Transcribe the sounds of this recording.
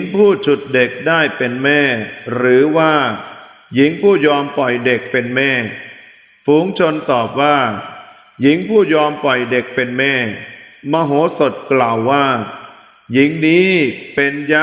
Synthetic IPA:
ŋpʰuː˥˩t͡ɕʰu˨˩t̪̚de˨˩k̚daː˥˩jpe˧nmɛː˥˩ɾɯː˩˦waː˥˩ | ji˩˦ŋpʰuː˥˩jɔː˧mpɔ˨˩jde˨˩k̚pe˧nmɛː˥˩ | fuː˩˦ŋt͡ɕʰo˧nt̪ɔː˨˩p̚waː˥˩ | ji˩˦ŋpʰuː˥˩jɔː˧mpɔ˨˩jde˨˩k̚pe˧nmɛː˥˩maː˧ɦoː˩˦so˨˩t̪̚klaː˨˩wːaː˥˩ | ji˨˦ŋniː˦˥pe˧nja˦˥

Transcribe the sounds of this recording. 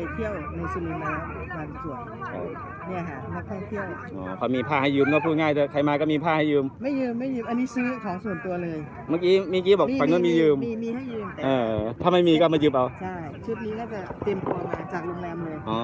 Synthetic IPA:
t̪ʰi˥˩əwna˧jsi˧lu˧˩mlɛː˧˦˥wa˧nsu˨˩ə | t͡ɕʰa˥˩ | ni˥˩ɐkʰa˥˩na˦˥k̚t̪ʰɔ˥˩ŋt̪ʰi˥˩əw | ʔɔ̰ː˨˦kʰɔ˧miː˧pʰaː˥˩ha˥˩jːɯː˧mkɔ˥˩pʰuː˥˩t̚ŋaː˥˩j̪ɯ˧˩kʰa˧jmaː˧kɔː˥˩miː˧pʰaː˥˩ha˥˩jɯː˧mma˥˩jːɯː˧mːa˥˩jːɯ˦˥˩pʔa˧nːiː˦˥sɯː˦˥kʰɔː˨˩˦ŋsu˨˩ənt̪u˧ɐlɤː˧j | maː˧˩kiː˦˥maː˧˩kiː˦˥˩bɔː˨˩kːa˧nkɔ˦˥˩miː˧˩jɯː˧m˧miː˧ha˥˩jːɯː˧m˨ʔɤː˧˩t̪ʰaː˥˩ma˥˩jmiː˧kɔː˥˩ma˥˩jɯ˦˥p̚ʔa˧wt͡ɕʰa˥˩jt͡ɕʰu˦˥t̪̚niː˦˥kɔː˥˩t͡ɕa˨˩t̪i˧əmt̪u˧maː˧t͡ɕaː˨˩k̚lo˧ŋlɛː˧mlɤː˧jʔɔː˧˩

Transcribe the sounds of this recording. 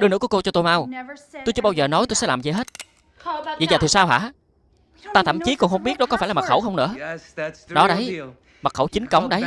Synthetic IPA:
ɗɨ˨˧ənɨ˧˥kɔ˨˦ko˧t͡ɕɔ˧t̪o˧jma˧wt̪o˧jt͡ɕɨː˨˧˦ɓaː˧wzəː˨˩nɔ˨˦jt̪o˧jsɛ̰˧˥laː˨˩mzə˧˩ɦe˦˥t̚ | və̰˧˨zəː˨˩t̪i˨˩saː˧wɦaː˧˥ | t̪aː˧t̪ʰə˧˩˨mt͡ɕi˨˦kɔ˨˩ŋ͡mxə˧wŋ͡mɓi˦˥əɗɔ˨˦kɔ˨˦aː˧˩jlaː˨˩m̚˨˩xə˧˩wxə˧wŋ͡mnɨ̰˧˥ə | ɗɔ˨˦ɗə˨˦j | ma˨˩t̚xə˧˩wt͡ɕï˨˦ŋ̟kə˨˦wŋ͡mɗə˨˦j

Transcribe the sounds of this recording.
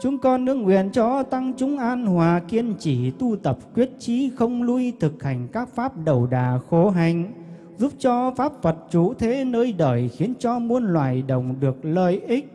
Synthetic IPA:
t͡ɕʊ˨˧˦ŋ͡mkɔ˧nːɨ˧əŋːwḭ˧˨ənt͡ɕɔ˧t̪a˧ŋt͡ɕʊ˨˦ŋ͡mʔaː˧nhwaː˨˩ki˧ənt͡ɕi˧˩t̪u˧t̪ə˨˩p̚kwi˦˥ət̚t͡ɕi˨˦xə˧wŋ͡mlu˧jt̪ʰɨ˨˩k̚ha˨˩jŋ̟kaː˦˥k̚faː˦˥p̚ɗə˨˩wɗaː˨˩xo˨˦ɦa˨˩jŋ̟ | zu˦˥p̚t͡ɕɔ˧faː˦˥p̚və˨˩t̚t͡ɕṵ˧˥t̪ʰe˨˦nəː˧jɗəː˧˩jxi˨˦ənt͡ɕɔ˧mu˧ənlwa̰ː˧˨˩jɗə˨˩wŋ͡mɗɨ˨˩ək̚ləː˧jʔi˦˥k̟̚

